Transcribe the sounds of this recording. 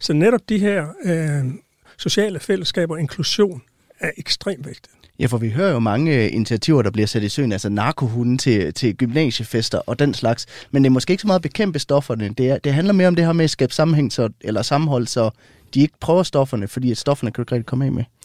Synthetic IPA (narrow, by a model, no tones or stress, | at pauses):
sɒ̽neɾɒ̽b̥̚d̥iɦɛɐ̰ | so̝ɕɛ̰ːləfeləsɡ̥ɛ̰ːb̥ɐe̝ŋkʰluɕo̝̰ːn | æɐʔeɡ̥sd̥ʁḛːmʋeɡ̥̚d̥i | jæfɒʋiɦøːɐjo̝mɑ̈ŋəḭnit͡sʰiæt͡sʰiʊɐd̥ɑ̈b̥liɐsæd̥isø̰ːn̩ælsɐnɑ̈ːkʰo̝ɦunn̩t͡sʰe̝t͡sʰe̝ɡ̥ymnɛ̰ːɕəfesd̥ɐʔɒ̽d̥enslɑ̈ɡ̥smend̥eɐmɒ̽sɡ̥e̝̰ːeɡ̥sɒmɑð̩ˠb̥e̝kʰem̰b̥əsd̥ɒ̽fɐnəd̥e̝æɐd̥e̝ɦænlɐmeɐɒmd̥e̝ɦɛɐmesɡ̥ɛ̰ːb̥sɑ̈m̩ɦeŋ̰sɒ̽elɐsɑ̈mm̩ɦɒ̽l̰sɒ̽ | d̥ie̝ɡ̥ə̥pʰʁœːʊɐsd̥ɒ̽fɐnəfɒ̽d̥ḭːæd̥sd̥ɒ̽fɐnəkʰæɡ̥ʁɛ̰ːd̥̚kʰɒ̽mɛ̰me